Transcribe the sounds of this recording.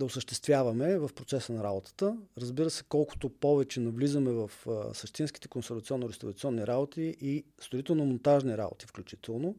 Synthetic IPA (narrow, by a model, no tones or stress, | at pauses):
d̪ɐʊsəʃt̪ɛst̪vʲjavɐmɛvɐfpɾot̪sɛsənɐɾabot̪ə̥t̪əɾəzbiɾəsɛ̥kɔlˠkʊ̥t̪opɔvɛt͡ʃɛnɐvlizəmɛvəfsɐʃt̪inskit̪ɛ̥konsɛɾvɐt̪siɔnːoɾɛst̪ovɐt̪siɔnːiɾabot̪ʰiʔist̪oɾit̪ɛlˠnomont̪aʒniɾa̰bo̰t̪ifklʲut͡ʃit̪ɛlˠno